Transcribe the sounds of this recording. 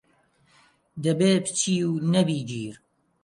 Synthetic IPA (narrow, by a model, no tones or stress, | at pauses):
d̪ɐbeːbt͡ʃʰiːwnɐbiːd͡ʒiːɾ